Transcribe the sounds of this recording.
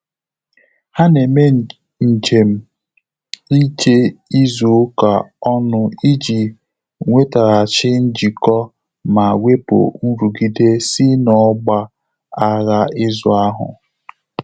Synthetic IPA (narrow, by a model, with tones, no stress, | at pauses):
ha˦ne˨me˦ | n̩˨t͡ʃe˨m̩˦ | i˦t͡ʃe˦i˦zu˨˦ka̰˨ɔ˦nʊ˦i˦d͡ʒi˨ | ŋʷe˦ta˨ɾa˨t͡ʃɪ˦n̩˦d͡ʒi˨kɔ˦ | ma˨we˦pʊ̰˨n̩˦ɾu˨ɡi˦de˦si˦nɔ˨˦ɡ͡ba˦ | a˦ɾa˦ɪ˦zʊ˨a˦ɦʊ̰˨